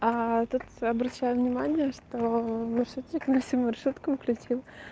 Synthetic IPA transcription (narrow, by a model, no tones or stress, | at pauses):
at̪ut̪ɐbɾɐɕːæjʊvnʲɪmanʲɪjəʂt̪omɐrʂut̪t͡ɕɪknɐfsʲimːɐrʂut̪kəmklʲʉt͡ɕilˠ